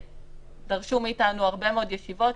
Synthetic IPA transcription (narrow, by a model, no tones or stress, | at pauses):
daʁʃumiitanuaʁbe̞meodjeʃivo̞t